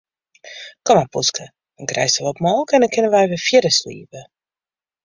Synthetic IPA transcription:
kɔmapuskʰə | d̥ɔnkrɛ̰jstəʋɔtmɔlˠkɛndɔnkɪnənʋɛjʋɪfjɪɾəslḭːpə

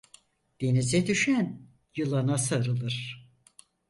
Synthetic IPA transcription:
d̪̥e̞nizɛd̪yʃæn | jɯlˠanasaɾɯlˠɯɾ̥

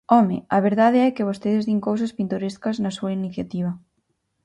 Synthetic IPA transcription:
ɔmḛɐβ̞eɾðaðɪɛkɪβ̞ost̪eðɪzðiŋkows̬ɐspint̪oɾeskɐznɐsuɐiniθjat̪iβ̞ɐ

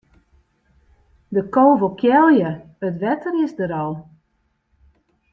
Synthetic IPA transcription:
dəkowvəkʰjɛlˠjə | ətʋɛtʰəɾɪsdəɾɔlˠ

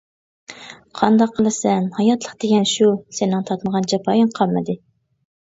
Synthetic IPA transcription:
qʰɑnd̪ɑqʰːəlˠɨsɛnhɑjɑt̪lˠəχqd̪̥eɡʲɛnʃusɪnɪŋt̪ʰɑt̪məʁɑnd͡ʒɑpʰɑːjɪŋqʰɑlˠmɨd̪ɨ

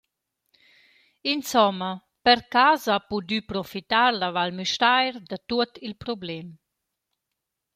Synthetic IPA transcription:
insɔmːə | pəɾkaːzapud̪ypɾɔfit̪aɾlavalmyʃtajɾd̪at̪uət̪ilpɾɔblɛm

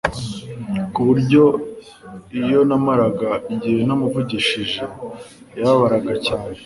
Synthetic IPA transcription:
kuβuɾɟo̞ | ijo̞namaɾaɡaiɟienamuvuɟiʃiʒe | jaβaɾaɡacaːne̞

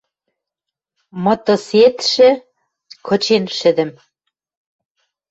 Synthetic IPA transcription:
mɤ̆t̪oset̪ʃɘ̆ | kʰɤ̆t͡ɕenʃɘ̆d̪ɘ̆m

